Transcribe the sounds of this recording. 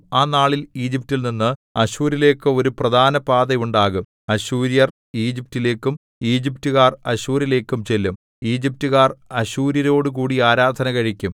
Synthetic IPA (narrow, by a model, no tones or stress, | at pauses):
aːnaːɭiliːd͡ʑip̚tilninːɨɐɕuːɾile̞ːkːɨo̞ɾuprɐd̪ʱaːnɐpaːd̪ɐjuɳɖaːɣum | ɐɕuːɾjɐr | iːd͡ʑip̚tile̞ːkːum | iːd͡ʑip̚tuɣaːrɐɕuːɾile̞ːkːumt͡ɕe̞lːum | iːd͡ʑip̚tuɣaːrɐɕuːɾjɐɾo̞ːɽuk̬uːɽiaːɾaːd̪ʱɐnɐkɐɻikʲːum